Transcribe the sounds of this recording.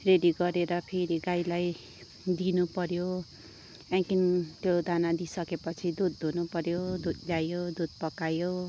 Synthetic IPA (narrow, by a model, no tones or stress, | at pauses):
reɖiɡʌɾeɾʌpʰeɾiɡajlaj | d̪inupʌɾjo | aŋkint̪jod̪anad̪isʌkepʌt͡sʰid̪ud̪̚ːʱunupʌɾjod̪ud̪ljajod̪ud̪̚pʌkajo